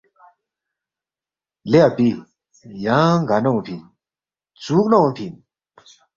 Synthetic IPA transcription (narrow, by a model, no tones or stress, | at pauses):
lɛʔpi | jaɡanɔŋpʰin | t͡suk̚nɔŋpʰin